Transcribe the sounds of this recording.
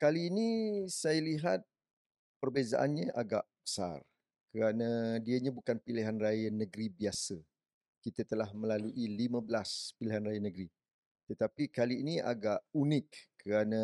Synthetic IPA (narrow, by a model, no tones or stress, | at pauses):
kaliːnisajaliɦat̪̚ | pərbeza̰ʔanɲə̃ʔaɡaʔb̥ə̥sa̰r | kəɾanãdiəɲãbukanpiliɦanrajənəɡɾibiasə | kit̪ət̪əlahmə̃laluʔilimə̃bəlaspiliɦanrajənəɡɾi | t̪ət̪apikaliːniʔa̰ɡaʔunɪkːəɾanã